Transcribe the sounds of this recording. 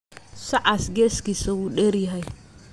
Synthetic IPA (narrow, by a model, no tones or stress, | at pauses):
saʔasɡeskisawuɗeɾiɦaj